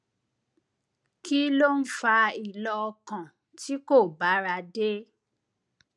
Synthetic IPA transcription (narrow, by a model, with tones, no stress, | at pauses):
ki˦lo˦n̩˦fa˧i˨lɔ˧ɔ˧kã˨ | ti˦ko˦˨ba˨˦ɾa˧de˦